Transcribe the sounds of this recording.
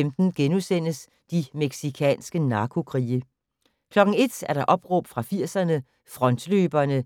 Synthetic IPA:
emd̥n̩ɡ̥enusen̰əs | d̥imeɡ̥sikʰɛ̰ːnsɡ̥ənɑ̈ːkʰo̝kʰʁḭːə | kʰlɒ̽ɡ̥ŋ̩e̝d̥æɐɾ̥ɑ̈ʔɒ̽b̥ʁɔ̽b̥fʁɑ̈fiɐ̰sɐnə | fʁɒ̽nd̥løːb̥ɐnə

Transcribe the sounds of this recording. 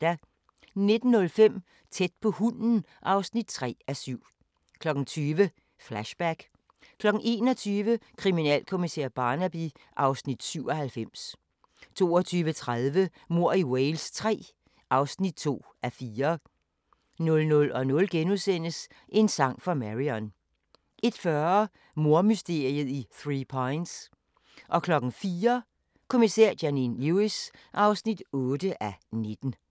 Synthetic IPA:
d̥æ | ne̝d̥n̩ːɔ̽lfem̰ | t͡sʰed̥̚pʰɒ̽hunn̩ | ʔɑ̈ʊsnid̥̚t͡sʰʁɛ̰ːæsyʊ̰ | kʰlɒ̽ɡ̥n̩t͡sʰyːʋə | flæɕb̥æɡ̥ | kʰlɒ̽ɡ̥n̩ʔe̝̰ːnɒ̽t͡sʰyːʋəkʰʁiminɛ̰ːlkʰo̝misḛɐ̰b̥ɑ̈ːnæb̥i | ʔɑ̈ʊsnid̥syʊɒ̽hælfem̰s | t͡sʰo̝̰ːɒt͡sʰyːʋət͡sʰʁaðˠʋə | mo̝ɐ̰iwelst͡sʰʁɛ̰ː | ʔɑ̈ʊsnid̥̚t͡sʰo̝̰ːʔæfiːɐ | nɔ̽lnɔ̽lɒ̽nɔ̽lɡ̥enusen̰əs | ʔe̝nsɑ̈ŋ̰fʁɑ̈mæʁiɒn | ʔe̝d̥fɶɐ | mo̝ɐ̰mysd̥e̝ɐ̰iəðˠiθʁipʰɑɪnd̥s | ʔɒ̽kʰlɒ̽ɡ̥n̩fiːɐ | kʰo̝misæɐ̰d̥jæninluisʔɑ̈ʊsnid̥ɔ̽ːd̥əʔæne̝d̥n̩

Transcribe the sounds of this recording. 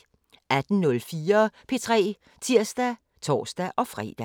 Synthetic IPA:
æd̥n̩nɔ̽lfiːɐpʰe̝t͡sʰʁɛ̰ː | t͡sʰiɐ̰sd̥æ | t͡sʰɒ̰ːsd̥æʔɒ̽fʁɛ̰ːd̥æ

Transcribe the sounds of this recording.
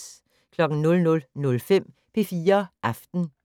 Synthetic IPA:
kʰlɒ̽ɡ̥n̩nɔ̽lnɔ̽lnɔ̽lfem̰ | pʰe̝fiːɐʔɑfd̥n̩

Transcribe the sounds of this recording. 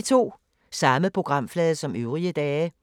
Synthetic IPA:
t͡sʰo̝̰ː | sɑ̈məpʰʁo̝ɡ̥ʁɑ̈m̰flɛːðˠsɒ̽møʊʁiəd̥ɛː

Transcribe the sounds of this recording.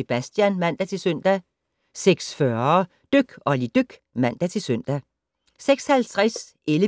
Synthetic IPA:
e̝b̥æsd̥jænmæn̰d̥æt͡sʰe̝lsœn̰d̥æ | seɡ̥sfɶɐ | d̥øɡ̥ɒ̽lid̥øɡ̥ | mæn̰d̥æt͡sʰe̝sœn̰d̥æ | seɡ̥shælt͡sʰʁasʔelə

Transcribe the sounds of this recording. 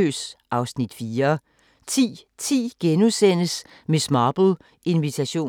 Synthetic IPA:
ø̰ːsʔɑ̈ʊsnid̥fiːɐ | t͡sʰḭːt͡sʰḭːɡ̥enusen̰əs | mesmɑːb̥l̩ | ʔe̝nʋit͡sʰæɕo̝̰ː

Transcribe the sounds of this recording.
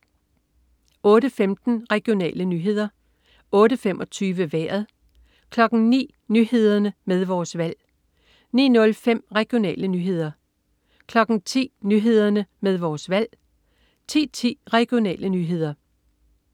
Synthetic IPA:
ɔ̽ːɾəfemd̥n̩ʁɛɡ̥io̝nɛ̰ːlənyːɦe̝ð̰ˠɐ | ɔ̽ːɾəfem̰ʔɒ̽t͡sʰyːʋəʋæ̰ːɐðˠ | kʰlɒ̽ɡ̥n̩nḭː | nyːɦe̝ð̞ˠɐnəmeð̞ˠʋɒːsʋæl̰ | nḭːnɔ̽lfem̰ʁɛɡ̥io̝nɛ̰ːlənyːɦe̝ð̞̰ˠɐ | kʰlɒ̽ɡ̥n̩t͡sʰḭːnyːɦe̝ð̞ˠɐnəmeðˠʋɒːsʋæl̰ | t͡sʰḭːt͡sʰḭːʁɛɡ̥io̝nɛ̰ːlʔənyːɦe̝ð̰ˠɐ

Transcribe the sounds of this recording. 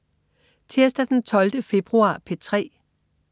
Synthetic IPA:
t͡sʰeɐsd̥æd̥ent͡sʰɒ̽ld̥əfe̝b̥ʁuɑ̰̈ːpʰet͡sʰʁɛ̰ː

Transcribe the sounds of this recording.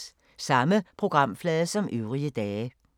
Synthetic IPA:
sɑ̈məpʰʁo̝ɡ̥ʁɑ̈m̰flɛːðˠəsɒ̽mʔøʊʁiəd̥ɛː

